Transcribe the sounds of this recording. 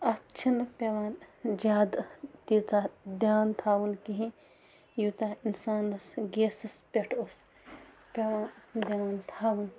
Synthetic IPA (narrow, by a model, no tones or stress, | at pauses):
ɐt͡ʃʰinpʲeʋaːnd͡ʒaːd̪t̪iːt͡saːd̪jaːnt̪ʰaːʋɐnkiɦĩ | juːt̪aːinsaːnɐsɡeːsɐspʲeʈʰos | pʲeʋaːnd̪jaːnt̪ʰaːʋun